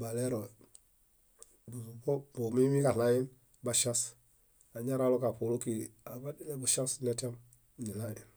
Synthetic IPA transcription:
ba˨le˦ɾo˨ | bu˨su˨bo˦bo˨mi˦mi˦ka˨la˦ji˦n | ba˨ʃa˦s | a˨ɲa˦ɾa˦lo˦ka˨pu˨lu˦ki˨a˨ba˦di˦le˦bu˨ʃa˦sne˦ta˦m | ni˨la˦ji˨n

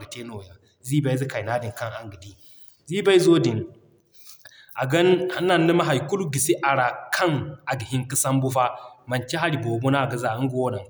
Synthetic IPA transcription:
ɡa˨te˦no˨ja˨ | ziː˦ba˦jzi˦ka˨jna˦di˨ŋka˦ŋa˨ŋɡi˨di˦ | zi˦ba˦i˦zo˦di˨n | ʔa˨ɡɐ˦na˦nːa˨nː˦ɐ˦ma˦ɦa˨jku˦lu˦ɡi˨si˦ʔa˨ɾa˨kʰɐ˦ŋa˨ɡi˨hi˦ŋki˦sa˦mbu˦ɸa˦mɐ˨nt͡ʃe˦ɦa˦ɾi˨bo˨bo˦na˦˨ɡɐ˦za˨˦ŋ˦ɡo˦wna˨ŋ

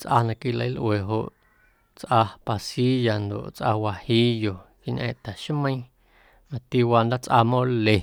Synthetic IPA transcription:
t͡sʔa˧nã˧ki˧˨lə˧˦jlʔwe˨ɦo̰˧ʔ | t͡sʔa˧pa˧si˦ja˨nd̪o̰˨ʔt͡sʔa˧wa˧hi˧jo˨ki˧ɲʲʔɛ̰̃ː˧ʔt̪ɛ˨ʃmə̃˦ĩ˦˧ | mã˧t̪i˧wa˧nd̪a˦t͡sʔa˧mõ˦le˨

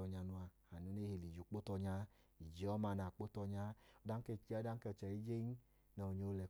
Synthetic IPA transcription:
ɔ˧ɲa˧nu˧a˧ | a˨nu˨˦ne˦he˨li˨d͡ʒu˨k͡po˦tɔ˧ɲa˧˦ | i˨d͡ʒi˨˦ɔ˦ma˧na˨k͡po˦tɔ˧ɲa˧˦ɔ˧˦da˦ŋ̩˦e˦˨˦da˦ŋ̩˦kɛ˦˧˨t͡ʃɛ˨i˦d͡ʒe˦n˦ | nɔ˨ɲo˨˦lɛ˧

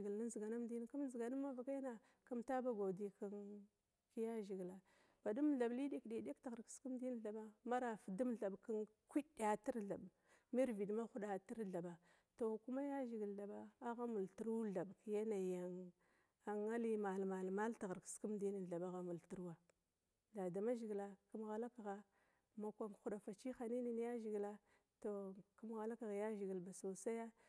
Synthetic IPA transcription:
ɡi˨lna˦zi˨ɡa˨na˦m˦di˦n˦ku˦m˦zi˨ɡa˨nu˦mːa˦va˨ka˦jna˨ | ka˦mta˦ba˦ɡa˨di˦ka˦n | ki˦ja˦ʒi˨ɡla˨ | b̥a˨du˦mɮa˨bli˦de˦ki˨˦de˦ktɣa˨ɾki̥˨˦ski˦m˦di˦n˦ɬa˨ɓa˦ma˦ɾa˨fi˨du˦mɮa˨bka˦ŋ | kʷi˦ɗa˨ti˦ɾɮa˨b | mi˦ɾvi˨dma˦xu˦ɗa˨ti˦ɾɮa˨ba˨ | to˨ku˦ma˦ja˦ʒi˨ɡi˨lɬa˨ba˦a˦ɣa˦mu˨lti˨˦ɾɮa˨bkja˦na˨ja˨ŋ | a˨ŋa˦li˦ma˨lma˨lma˦lta˨ɣa˨ɾksku˦mdi˦ni˨n˨ɮa˨ɓa˦ɣa˦mu˨lti˦ɾwa˦ | da˨da˨ma˦ʒi˨ɡla˨ku˦mɣa˨la˦ka˨ɣa˨ | ma˨kʷa˨m˨xu˨ɗa˨fa˨t͡ʃi˦xa˨ni˦ni˨n˦ja˦ʒi˨ɡla˦ | to˨ku˦m˦ɣa˨la˦ka˨ɣa˨ja˦ʒi˨ɡi˨lba˨so˨sa˦ja˦

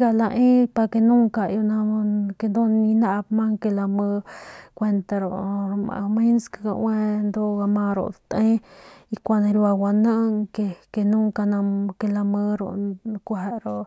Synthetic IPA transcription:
ɡa˧la˧ʔẽ˦pa˧ke˧nũ˦ŋka˨jo˧nã˧ke˧nd̪o˦nĩ˧nã˦ʔpmã˦ŋke˧la˧mə˧kʷe˧nt̪a˧ɾo̰˨ʔmã̰˧mĩ˦nska˧ɡa̰˧ʔwẽ˦nd̪o˦ɡa˧mã˧ɾo̰˧ʔt̪ẽ˦i˧kʷa˧nã˧ɾja˧wa˧nə̃˦˧ŋke˧ke˧nũ˦ŋka˧nã˧ke˧la˧mə̃˧ɾo̰˧kʷa˧˨e˧ɾo˧ʔ

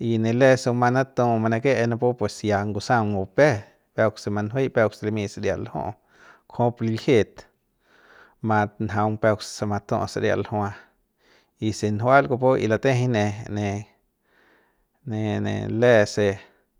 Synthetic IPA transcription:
i˧ne˧le˧so˧ma˧na˦t̪õ˧ma˧na˧ke˦ʔna˧po˦pwe˨sja˧ŋɡu˧sa˦ŋɡo˧pe˦ | pe˧kse˧ma˧nɦwe˦pe˧kse˧le˧mĩ˧se˧ɾja̰˧˨lhõ̰˦ʔ | kʰõ˦pli˧lhe˧t̪ | mã˧t̪nɦa˧wmpe˧kssa˧ma˧t̪õ̰˧sa˧ɾja̰˧˨lho˧ã˧ | i˧se˧nɦwa˦lɡo˧po˦ḭ˧la˧t̪e˦ɦne˧ne˧ | ne˧nḛ˨le˧se˧

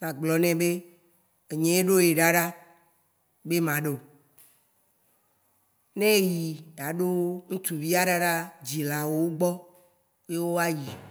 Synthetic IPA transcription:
nã˨ɡ͡blɔ˨nɛ̃˨be˦ | e˨ɲẽ˨˦e˦ɖo˦je˨ɖa˦ɖa˦ | be˦mã˨ɖe˨ | nɛ̃˦ji˨ɖa˨ɖo˦ŋũ˦t̪u˨vi˦a˦ɖa˦ɖa˦d͡ʑi˨la˨wo˦wo˦ɡ͡bɔ˦ | je˦wo˦a˦ji˨

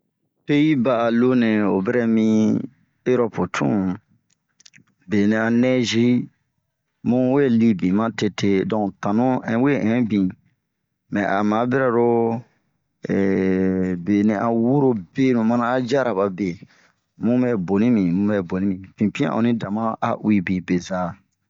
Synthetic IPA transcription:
pe˦ji˦baː˦˨lo˦nẽ˨o˨bɛ˦ɾɛ˦mĩ˦ | e˦ɾɔ˦po˨tʰṵ̃˦ | be˨nĩ˨a˨nɛ˦ʒi˦ | mũ˦we˦li˦bĩ˨mã˦te˨˦tʰe˦dɔ̃˨tã˨nũ˦ɛ̰̃˨˦we˦ʔɛ̃˨bĩ˨ | mɛ̃˨ʔa˨mã˨˦be˦ɾɛ˨ɾo˦ | ɛ˨ | be˨nĩ˨ʔa˨wu˦ɾo˦be˦nũ˨mã˦nã˦a˦d͡ʒa˦ɾa˨ba˨be˨ | mũ˦bɛ˦bo˨nĩ˦mĩ˨mũ˦mɛ˨bo˨nĩ˦mĩ˨fĩ˨pĩ˦ã̰˦˨ʔõ̰˨nĩ˦dã˨mã˦a̰˦ʔwi˦bĩ˨be˨za˨

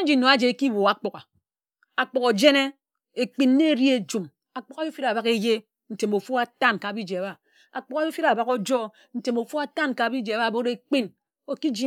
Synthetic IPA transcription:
n̩˦d͡ʒi˨˦no˨a˦d͡ʒe˨e˨ki˦wo˨a˨k͡po˨ka˨ | a˨k͡po˨ko˨d͡ʒe˦ne˦ | e˨k͡pi˦n˦ne˦ɾi˦e˦d͡ʒu˨m | a˨k͡po˦a˨˦jo˦fi˦ɾa˨ba˨ke˦je˦ | n̩˨te˨mo˨fu˦a˦ta˦nka˨bi˦d͡ʒe˨a˨ba˨ | a˨k͡po˨ka˨jfi˦ɾa˨ba˨ko˦d͡ʒɔ˦ | n̩˨te˨mo˨fu˦a˦ta˦nka˨bi˦d͡ʒe˨ba˦˨bo˦ɾe˦k͡pi˦n | o˨ki˦d͡ʒi˦

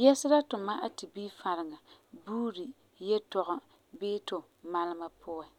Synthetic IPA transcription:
jɛ˦sɪ˦ɾa˦tʊ˨ma˦ʔa˦ti˨biː˦fa˨ɾɪ˨ŋa˨buː˦ɾi˨ | jɛ˦tɔ˨ɣʊ˨ | bɪː˦tʊ˨ | ma˦lɪ˦ma˦pʰʊ˦ɛ˨

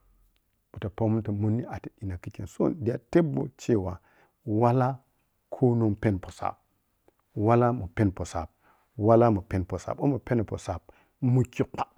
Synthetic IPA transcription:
u˨ta˨po˦mu˦nta˨mu˦nːi˦ʔa˨ti˨i˨na˨ki˦ki˨nso̰˦ndi˨a̰˨te˦bo̰˨t͡ʃe˦˨wa˨ | wa˦la˦ | kʰo˦no˦mpe˦npo˨sa̰˨p̚ | wa˦la˦mu˨pe˦npo˨sa̰˨b̚ | wa˦la˦mu˨pe˦npo˨sa̰˨bo˦mu˨pe˦n˨po̰˨sa˨b | mu˨ki˦kʷa˦

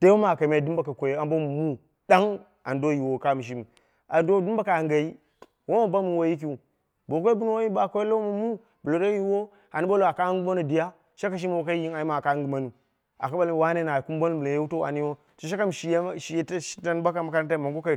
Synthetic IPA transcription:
te˦wo˦ma˨ka˨me˨du˦mba˨ka˨kʷo˨je˦a˨m˦bo˦mu˨mu˦ | da˦ŋ | a˨ndo˦ji˨wo˨ka˦˨mi˨ʃ̬i˦mi˨ | a˨ndo˦du˦mba˦ka˨ŋɡa˨i˦ | wo˦ma˨ba˦mi˨wo˦ji˦k̬i˦u˨ | bo˨k̬ʷo˦bu˦nu˦wo˦ji˦ba˨ko˦e˦lo˦wo˦ma˨mu˦ | bu˨lo˨ɾa˦ji˦wo˦ | a˨ni˦bo˦lo˨a˨ka˦ŋɡu˦ma˦nu˦˨di˨ja˦ | ʃa˦ka˨ʃ̬i˦m˦˨o˨ka˦i˦i˦ŋa˨ji˦ma˨ka˦ŋɡu˨ma˦nu˨ | a̰˨ka˦ba˦lwa˦ne˦na˨ku˦m˦bo˦n˦bla˨je˦wu˦to˦a̰˨ni˦wo˦ | so˨ʃ̬a˦ka˦m˨ʃi˨jʃi˨je˦tʃi̥˦ta˦n˦ba˦ka˨ma˦ka˦na˦t̬a˦i˦˨ma˨ŋɡo˦ka˨

